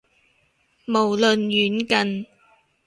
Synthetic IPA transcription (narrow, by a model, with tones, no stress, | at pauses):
mo˨˩wlɵ˨njyː˨˥nkɐ˨n